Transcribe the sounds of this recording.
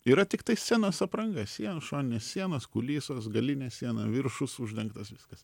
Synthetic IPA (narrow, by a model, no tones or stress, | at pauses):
iːɾɐt̪ʲɪkt̪ɐɪsʲænoːsɐpɾɐŋɡɐsʲiɛnɐʃoːnʲɪnʲeːssʲiɛnɐskʊlʲiːsoːsɡɐlʲɪnʲesʲiɛnɐʋʲɪɾʃʊsʊʒʲd̪ʲɛŋkt̪ɐsʋʲɪskɐs